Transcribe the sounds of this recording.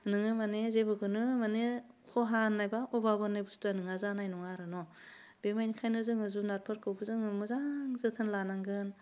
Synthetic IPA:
nɯŋɯmanezebɯɡɯnɯmane | kʰɔɦanːajbaɔbabɯnɯbustanɯŋazanajnɔŋaɾɯnɔ | b̥emajnikʰajnɯzɯŋɯzunaɾpʰɯɾkɯwbɯzɯŋɯmɯzaŋzɯtʰɯnlanaŋɡɯn

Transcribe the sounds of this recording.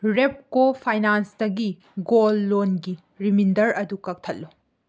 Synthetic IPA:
ɾep̚kopʰajnansdɐɡi | ɡolːonɡi | ɾimindɐɾɐdukɐk̚tʰɐt̚lu

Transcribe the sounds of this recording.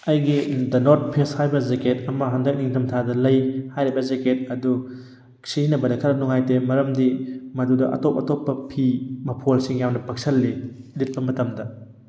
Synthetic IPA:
ɐjɡidɐnoɾt̚pʰesthajbɐzeketɐmɐɦɐndɐk̚niŋtʰɐmtʰadɐlɐjhajɾibɐzeket̚ɐdu | siinɐbɐdɐkʰɐɾɐnuŋajtemɐɾɐmdimɐdudɐʔɐ̰top̚ɐtopːɐpʰimɐpʰolsiŋjamnɐpɐk̚sɐlːilit̚pɐmɐtɐmdɐ

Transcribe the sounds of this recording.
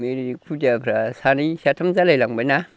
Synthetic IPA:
meɾikʰudapʰɾasanisatʰamzalajlaŋbajna

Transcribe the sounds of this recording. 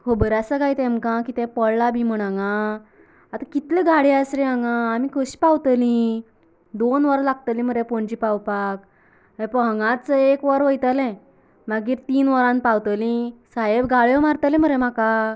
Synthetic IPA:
kobəɾjasəɡajt̪ẽmkãkit̪ɛ̃pəɭlabʱim̤əɽ̃aŋɡa | at̪ãkit̪lɛ̃ɡaɽiasɾɛ̃aŋɡaːmikʰəɕi̥pawt̪əlĩ | d̪onʋəɾlaɡ̚t̪əlĩm̤əɾepɔɳd͡ʑipawpak | ẽpəɦəŋɡãt͡səekʋəɾʋəjt̪əlɛ̃ | maɡiːɾt̪iːnʋəɾãnpawt̪əlĩsajebɡʱaɭjɔmaɾt̪əlɛ̃m̤əɾemaka

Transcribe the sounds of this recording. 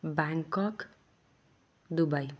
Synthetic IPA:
baŋkʌk | d̪ubʌj

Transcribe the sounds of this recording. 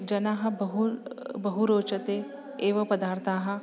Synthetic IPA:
d͡ʒɐnaːɦɐ̃bɐɦubɐɦuɾoːt͡ʃət̪e | eːʋɐpɐd̪aːɾt̪ʰaːɦɐ̃

